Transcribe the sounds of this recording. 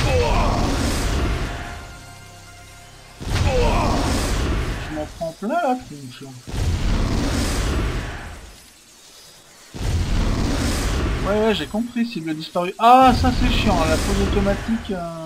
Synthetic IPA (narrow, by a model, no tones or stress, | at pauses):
a | a | ʒəmɑ̃pχɑ̃plɛ̃lat̪χɔ̃ʃa | wɛʒekɔ̃pχisiləd̪ispaʁyʔasasɛʃjɑ̃lakozot̪ɔmat̪ikø